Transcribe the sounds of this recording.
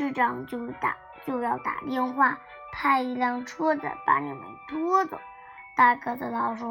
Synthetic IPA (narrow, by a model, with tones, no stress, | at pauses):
ʂɻ̩˥˧ʈ͡ʂɑ˥˩ŋt͡ɕjo˥˩ʊt̪a̰˨˩ | t͡ɕjo˥˧ʊjɑ˥˩ʊt̪a̰˨˩t̪jɛ˥˧nxwa˥˩ | pʰa˥˧ɪi˥˧ljɑ˥˩ŋʈ͡ʂʰɔ˥d͡zə̰˨˩pa̰˧˩nḭ˧˥˩mḛ˧˩ɪt̪wɔɔ˥t͡sʊ̰˨˩˦ | t̪a˥˧kd̪ə˧˩t̪ɑ˥˩ʊʂɔ˥